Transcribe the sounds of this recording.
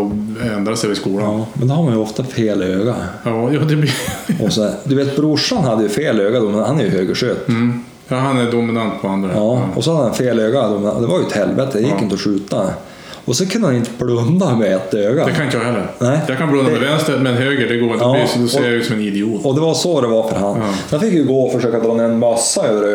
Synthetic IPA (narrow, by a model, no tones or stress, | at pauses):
ɛnd̪ɾasɛɪskuːlaɑːmɛnd̪ɛhaɾmanjəɔft̪afeːløːɡajɑːjuːd̪ɛbɔsɔæd̪ɵveːt̪̚bɾʊʂanɦad̪ːəjɵfeːløːɡad̪ɔmɛnhanæɾjɵhøːɡəʂøːt̪ː | jɑhanæd̪ʊmɪnant̪̚pʰɔand̪ɾaɑːɔsɔhad̪ːhanfeːløːɡad̪ʊmɪna̰d̪ɛvaɾjʏɛt̪hɛlvet̪əd̪ɛjɪkːɪnt̪əɔʂʉ̟ːt̪a | ɔsɛnkʰɵnəhanɪnt̪ʰəbɽɵnːamɛɛt̪ːøːɡad̪ɛkʰanɪnt̪əjɑːhɛlːəɾnæɪjakʰanblɵnːamɛvɛnst̪əɾmɛnɦøːɡəɖɛɡoːɾdɛɑːɪsd̪ɔsejajɪksɔmɛnɪd̪ɛuːt̪ɔd̪ɛvasɔd̪ɛvaɾfœɾɦan | sɛnfɪkːjjəɡoːɔfœʂøːkad̪ɾɔːnɛnmasːaøːvəɾø